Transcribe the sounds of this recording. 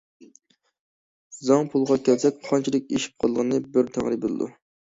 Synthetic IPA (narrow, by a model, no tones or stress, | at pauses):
zɑŋpʰulˠʁɑkʲʰɛlsɛk̚ʲqʰɑnt͡ʃʰilˠɨk̚ʲeʃi̥p̚qʰɑlˠlˠəʁnɨbɪɾt̪ʰæ̰ŋɾɨbelˠɨ̰d̪ṵ